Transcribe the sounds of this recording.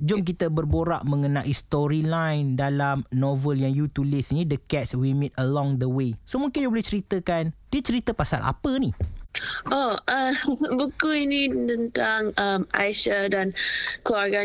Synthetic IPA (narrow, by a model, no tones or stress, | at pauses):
d͡ʒʊmk̬it̪əbərboɾa̰ʔmə̃ŋənaʔist̪ɔɾilajndalamnɔvəljaŋjut̪ulɪsinidəkɛt̚swimit̪əlɔ̃ŋd̪əwesomũŋkɪnjaboliht͡ʃəɾit̪əkand̥iət͡ʃəɾit̪əpasa̰lʔa̰pəni | ʔoʔəbukuinit̪ənt̪aŋamʔa̰jʃadankluarɡa